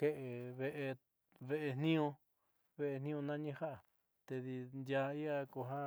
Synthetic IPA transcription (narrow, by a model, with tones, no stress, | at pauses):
ke˦ʔe˨βe˧ʔe˧ | βe˦ʔe˧n̥nĩ˦õ˧ | βe˦ʔe˧n̥ĩ˦õ˧nã˦ɲĩ˧ha˦ʔa˨ | t̪e˧ði˧nd̪ja˧i˦a˧ko˧ɦã˦